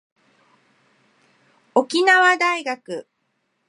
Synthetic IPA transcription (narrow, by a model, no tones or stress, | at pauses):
o̞kʲinaβad̪aiɡakɯ̟